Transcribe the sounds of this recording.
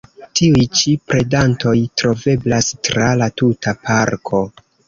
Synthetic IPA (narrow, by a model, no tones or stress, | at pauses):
tiujt͡ʃipɾe̞danto̞jtɾo̞ve̞blastɾalatutapaɾkʰo̞